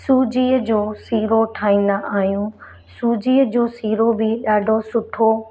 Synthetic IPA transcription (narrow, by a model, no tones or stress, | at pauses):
suːd͡ʑiːəd͡ʑoːsiːɾoʈʰaːĩːnd̪aʔaːɦijũː | suːd͡ʑiːəd͡ʑoːsiːɾobɪɗaːɖʱosʊʈʰo